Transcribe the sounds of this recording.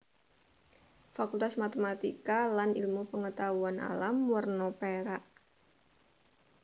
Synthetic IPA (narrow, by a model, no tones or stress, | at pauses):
fakult̪asmat̪emat̪ikalanilmupəŋət̪auanʔa̰lamwərnɔpeɾaʔ